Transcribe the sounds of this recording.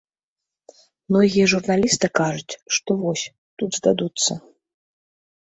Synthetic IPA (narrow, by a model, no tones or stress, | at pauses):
mnɔɣʲijɛʐurnalʲist̪ɨkaʐut͡sʲʂt̪ɔvɔsʲ | t̪ud̪zd̪ad̪ut̪sːɐ